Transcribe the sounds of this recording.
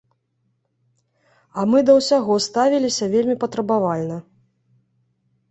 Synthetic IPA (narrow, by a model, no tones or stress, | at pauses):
ɐmɨd̪ɐwsʲaɣɔst̪avʲilʲisʲɐvʲelʲmʲipɐt̪ɾɐbavalʲnɐ